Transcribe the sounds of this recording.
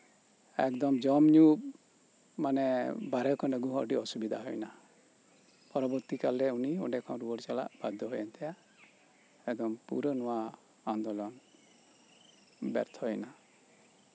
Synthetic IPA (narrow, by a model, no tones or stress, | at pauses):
ɛ̰kd̪ɔmd͡ʒɔmɲu | manɛbaɾɛkʰɔnəɡuɦɔɖiɔsubid̪ʱaɦɔjna | pɔɾɔbɔɾt̪ikalɾɛuniɔ̰ɖɛkʰãw̃ɾuwɔɖt͡ʃala̰ʔb̥ad̪ʱːɔɦɔjɛnt̪ɛja | ɛd̪ɔmpṵɾənɔwa | and̪ɔlɔn | bɛ̰ɾt̪ʰɔjna